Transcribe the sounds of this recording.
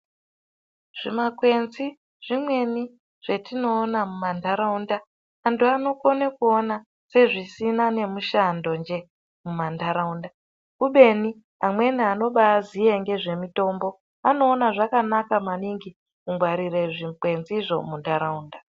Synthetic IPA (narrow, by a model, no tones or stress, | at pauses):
ʐ̥imakwe̞nzi | ʐ̥imwe̞ni | ʐ̥e̞tino̞ːnamumandaɾaundaː | ntuano̞konekuona | se̞ʐisinane̞muʃando̞nd͡ʒe̞ | mumandaɾaunda | kuɓe̞ni | amwe̞niano̞ɓaːzieŋɡe̞ʐe̞mito̞mbo̞ | ano̞ːnaʐakanakamaniŋɡi | kuŋɡwaɾire̞ʐikwe̞nziʐo̞̰mundaɾauːnda